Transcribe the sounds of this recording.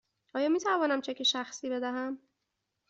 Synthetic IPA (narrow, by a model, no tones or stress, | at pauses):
ʔɒːjɒːmiːt̪ʰævɒːnæmt͡ʃʰecʰeʃæxsiːbe̞d̪æɦæm